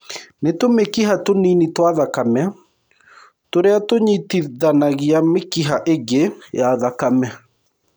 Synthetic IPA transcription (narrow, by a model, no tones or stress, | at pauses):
netomekiɦatoninitwaðakamɛ | toɾeatoɲitiðanaɣiamekiɦaʔeɡejaðakamɛ